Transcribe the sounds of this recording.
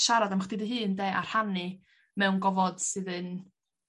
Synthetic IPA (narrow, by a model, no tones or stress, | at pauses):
ʃaɾadamχdɪðəɦɨːndeːʔa̰r̥hanɨ | mɛwnɡɔvɔd̥sɨðɨn